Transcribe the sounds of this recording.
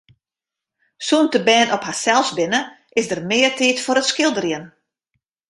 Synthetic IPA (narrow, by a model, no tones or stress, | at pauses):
suntəbɛːnʔɔphasɛlˠfsbɪnə | ʔɪsdərmɪːərtiːtfoɾətskɪlˠdərjən